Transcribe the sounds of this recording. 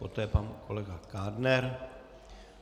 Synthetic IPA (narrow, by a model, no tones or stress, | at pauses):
pot̪ɛːpankʰolɛɡakaːdnɛɾ